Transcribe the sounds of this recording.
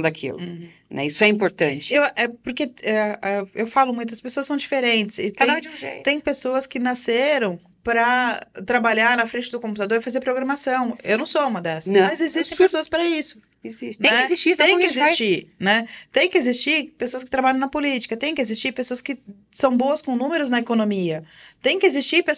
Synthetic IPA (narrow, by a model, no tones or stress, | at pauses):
d̪akʰḭlʊ̰ | nɛ̰isʊɛĩpoɾt̪ɐ̃nt͡ʃɪewɛpoɾkeɛɛewfalʊmũj̃t̪ʊɐspesoɐsɐ̃w̃d͡ʒifeɾẽnt͡ʃɪ̥sɪt̪dẽd͡ʒiũʒḛjt̪ẽj̃pesoɐskɪnaseɾɐ̃w̃ | pɾɐt̪ɾabaʎaɾnɐfɾẽnt͡ʃɪd̪ʊkõmput̪ad̪oɾɪfazeɾpɾoɡɾɐmasɐ̃w̃ḛwnɐ̃w̃soũmɐd̪ɛsɐ̃mɐzzezist̪ẽj̃pesoɐspɾɐisʊ̥ | eziʃnẽɛeziʃt͡ʃit̪ẽj̃kkɪezist͡ʃiɾnɛt̪ẽj̃kɪezist͡ʃiɾpesoɐs̬kɪ̥t̪ɾabaʎɐ̃w̃nɐpolit͡ʃi̥kɐt̪ẽj̃kɪezist͡ʃiɾpesoɐskɪ | sɐ̃w̃boɐskõnũmeɾʊznɐekonõmiɐt̪ẽj̃kɪezist͡ʃiɾpe